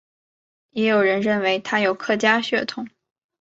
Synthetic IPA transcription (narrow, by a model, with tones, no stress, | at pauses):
jɛ˧˥jo˨˩ʊɻə˧˥nɻə˥˩nwe˧˥ɪt̪ʰa˥jo˨˩ʊkʰɤ˥˩t͡ɕja˥ɕɥɛ˥˩t̪ʰʊ˨˥˦ŋ